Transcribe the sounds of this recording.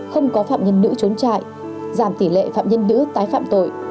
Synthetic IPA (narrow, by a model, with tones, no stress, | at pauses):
xə˧wŋ͡mkɔ˨˦faː˧˨mɲə˧nːɨ̰˧˥t͡ɕo˨˦nt͡ɕa̰ː˧˨j | zaː˧˩mt̪i˧˩lḛ˧˨fa̰ː˧˨mɲə˧nːɨ̰˧˥t̪aː˨˦jfaː˧˨mt̪o̰˧˨j